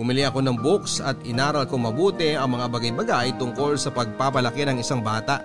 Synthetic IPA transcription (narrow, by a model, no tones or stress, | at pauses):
bʊmɪlɪʔɐko̞nɐŋboksɐt̪ɪnaːɾɐlko̞ŋmɐbuːt̪ɛɐŋmɐŋabɐɡajbɐɡajt̪ʊŋko̞lsɐpɐɡ̚papɐlɐkɛnɐŋɪsaŋbaːt̪ɐʔ